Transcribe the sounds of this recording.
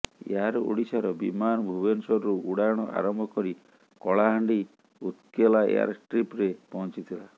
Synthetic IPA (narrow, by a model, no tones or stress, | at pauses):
ḛɦaɾṵɽisaɾɔbimanɔbʱubensɔɾɾuuɽajɔɽ̃ɔʔa̰ɾɔmbʱɔkɔɾi | kɔɭaɦaɳɖi | ut̪kelaḛa̰ɾʈɾipɾepɔɦɔ̃nt͡ʃit̪ʰila